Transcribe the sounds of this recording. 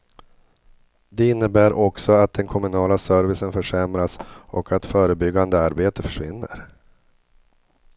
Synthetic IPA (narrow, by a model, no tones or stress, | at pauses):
d̪ɛɪnːəbæːɾʔɔksɔat̪̚d̪ɛnkʰɔmɵnɑːlasœɾvɪsənfœʂɛmɾasɔkʰat̪fœːɾəbʏɡːand̪əaɾbeːt̪əfœ̥ʂvɪ̰nːə̰ɾ